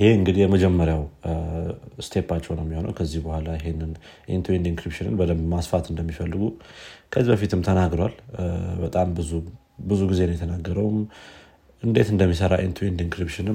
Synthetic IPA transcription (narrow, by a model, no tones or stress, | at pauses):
jheɨŋɡɨd̪ijɛməd͡ʒɛmːəɾjaw | st̪ʰe̞pːat͡ʃːɛwnəwmːjɛho̞nə̰wkʰəzːihbəhʷalajɪɦenːɨn | ʔint̪ʰuend̪iŋkɾipʃɨnɨ̰nbəd̪əmmasfat̪ɨnd̪əmːifəlːɨɡukʰəzibəfit̪ʰɨmt̪ʰənaɡɾowalbət̪ʼambɨzu | bɨzuɡize̞nəwjɛt̪ʰənaɡːəɾəwm | ʔɨnd̪e̞t̪ɨnd̪əmːisəɾa̰ʔint̪ʰuind̪iŋkɾipʃɨnɨ